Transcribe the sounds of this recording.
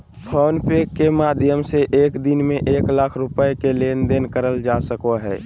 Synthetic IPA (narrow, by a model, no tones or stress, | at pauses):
pʰɔːnpekːemaːd̪ʱjəmseʔeːkd̪ɪnmẽʔeːklaːkʰɾʊpəekeleːnd̪enkəɾəld͡ʒasəkoɦɛː